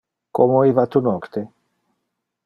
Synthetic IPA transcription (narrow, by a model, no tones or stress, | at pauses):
komoivat̪unɔkt̪e